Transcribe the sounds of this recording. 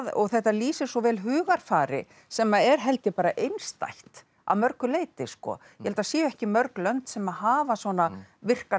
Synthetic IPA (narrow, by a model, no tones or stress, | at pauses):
ɔ̰ɣθɛht̪aliːsɪ̥sɔvɛːlɦʏːɣaɾ̥faːɾɪ̰ | sɛmːaɛɾ̥ɦɛlt̪ɪpaːɾaʔejnst̪a̰jht̪ | a̰mœɾkʏleːjt̪ɪskɔ̰jɛhɛlt̪asjɛːɛhcɪmœɾklœnt̪sɛmaðhaːvasɔnavɪr̥ka